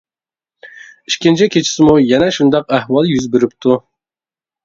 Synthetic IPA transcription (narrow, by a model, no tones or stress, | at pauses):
iʃkʲint͡ʃʰɛkʲʰet͡ʃʰi̥sɪmujɛnɛʃund̪ɑqæhwɑlˠjyzbeɾɪp̚t̪ʰu